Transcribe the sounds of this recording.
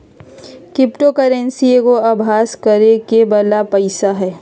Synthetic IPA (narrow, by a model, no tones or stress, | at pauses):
kɾɪpʈokəɾə̃nsiekoɐbʱaːskəɾekebɐlapəɪsaɦɛː